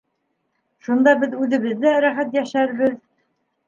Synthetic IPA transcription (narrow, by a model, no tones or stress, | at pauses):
ʃund̪ɑbɘðʉðɘ̆βɘ̆ðːæɾæχæt̪jæʃæɾβɘð